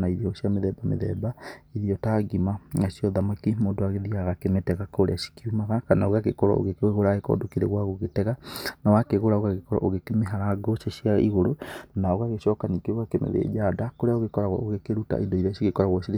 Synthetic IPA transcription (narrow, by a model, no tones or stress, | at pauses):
naiðiɔɔɕiameðɛbamḛðɛbaiðiɔtaɡimaŋasiɔðamakimoːndoaɣeðiaɣakemetɛɣakoɾḛaʃi̥kiumaɣakanaoɣaɣekɔɾɔ̰o̰ɣekɣoɾaɣekɔ̰ːdokiɾɛ̰ɣwaɣoɣetɛɣanawakeɣoɾaoɣaɣekɔɾɔ̰ʔoɣekemeɦaɾaɡoʃeʃiaiɣoɾonaoɣaɣeʃɔːkanikeoɣakemḛðḛːd͡ʒadakoɾeaoɣekɔɾaɣwɔ̰ʔoɣekeɾuta̰ʔindɔiɾasiɣekɔɾaɣwɔsiɾe